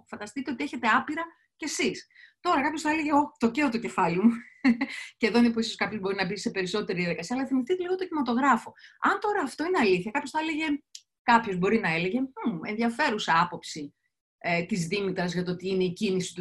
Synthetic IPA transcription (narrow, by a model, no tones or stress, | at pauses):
fɐnd̪ɐst̪it̪e̞o̞t̪ie̞çe̞t̪e̞ɐpiɾɐ | ce̞sis | t̪o̞ɾɐkɐpço̞sθɐeleʝeot̪o̞ceot̪oce̞fɐlimu | ce̞ðoinepoiso̞skɐpço̞zbo̞ɾinɐbise̞pe̞ɾiso̞t̪e̞ɾiðijɐðikɐsiɐːlɐθimist̪it̪eliɣot̪ocimɐt̪o̞ɣɾɐfo̞ɐnt̪o̞ɾɐːft̪o̞ineɐliθçɐkɐpçosθɐele̞ʝe̞ | kɐpço̞zbo̞ɾinɐe̞le̞ʝe̞uenðiɐfe̞ɾusɐɐpo̞psi | t̪izðimit̪ɾɐzʝɐt̪oot̪iine̞icinisi̥t̪u